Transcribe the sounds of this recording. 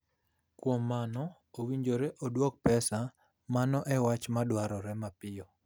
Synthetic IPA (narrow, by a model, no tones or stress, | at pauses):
kwomːanɔ | owiɲd͡ʒoɾeʔodwok̚pɛsa | manɔʔɛwat͡ʃmadwaɾɔɾɛmapɪɔ